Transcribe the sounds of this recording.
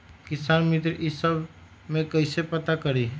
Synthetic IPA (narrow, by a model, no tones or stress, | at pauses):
kɪsaːnmɪt̪ɾʔisəb | mẽkəɪsepət̪akəɾi